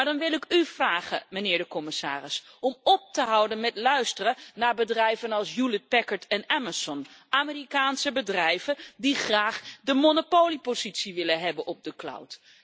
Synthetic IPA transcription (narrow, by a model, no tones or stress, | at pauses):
maɹdɑnʋɪlˠɪkyv̥raːχə̰mənɪːɹdəkɔmɪsa̰ːrɪsɔmɔp̚təɦʌwdənmɛtlœɥstərənaːɹbədrɛjvənɑlˠsjulət̚pɛkəɹtʰɛnɛməsɔnʔaːmerikaːnsəbədrɛjv̥ədiχraːχdəmonopowlipozitsiʋɪlənɦɛbənʔɔb̚dəkla̰wt